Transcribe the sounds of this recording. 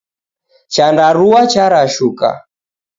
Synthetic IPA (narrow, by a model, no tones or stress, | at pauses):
t͡ʃandaɾuwat͡ʃaɾaʃuka̰